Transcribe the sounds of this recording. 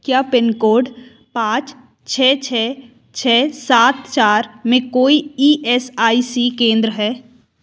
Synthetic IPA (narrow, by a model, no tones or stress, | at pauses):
kjaːpɪnkoːɖ | pãːt͡ʃ | t͡ʃʰɛːt͡ʃʰɛː | t͡ʃʰɛːsaːt̪t͡ʃaːɾmẽkoːiiːʔɛːsaːisikẽːnd̪ɾəɦɛː